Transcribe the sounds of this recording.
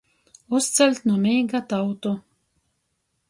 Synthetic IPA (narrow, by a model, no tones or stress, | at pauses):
ust̪sʲɛlʲt̪nuɔmʲijɡat̪awt̪u